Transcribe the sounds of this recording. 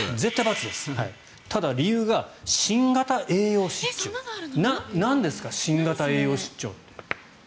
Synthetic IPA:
ze̞t̪ːajbat͡sɨd̪e̞sɨ̥hai | t̪ad̪aɾʲijɯ̟ːɡaɕĩŋɡat̪aʔe̞ːjo̞ːɕi̥t͡ɕt͡ɕːo̰nanãnd̪e̞sɨ̥kaɕĩŋɡat̪ae̞ːjo̞ːɕi̥t͡ɕt͡ɕːo̞̰ːt̪ːe̥

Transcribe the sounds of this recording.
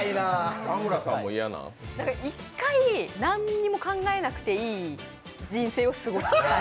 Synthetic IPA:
inaamɯ̟ɾasãmːoijanã̰nakaikːainãɲːimo̞kãŋɡae̞nakɯ̟̥t̪e̞iː | d͡ʑĩɰ̃se̞ːo̞sɨɡo̞sɨ

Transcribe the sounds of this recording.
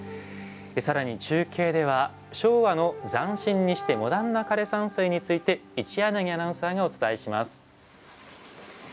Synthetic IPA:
esaɾaɲ̟it͡ɕɨːkʲʰe̞ːd̪e̞β̞a | ɕo̞ːβano̞d͡zãɰ̃ɕĩɲ̟ːiɕi̥t̪e̞mo̞d̪ãnːakaɾe̞sãɰ̃sɨːɲ̟it͡sɨit̪e̞it͡ɕianaɡʲianãɰ̃saːɡao̞t͡sɨ̥t̪aeɕimasɨ̥

